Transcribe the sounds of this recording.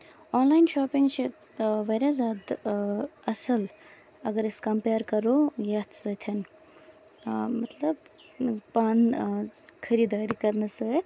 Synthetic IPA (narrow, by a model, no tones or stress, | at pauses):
oːnlajnʃoːpiŋɡt͡ʃʰit̪ | ʋɐɾazʲaːd̪ | ɐsɐl | ɐɡəɾeskɐmpeːɾkɐɾojɐt̪ʰsəːt̪ʰɐn | mɐt̪ʰlɐb̚ | paːn | kʰɐɾid̪aːɾikɐɾnɐsət̪ʰ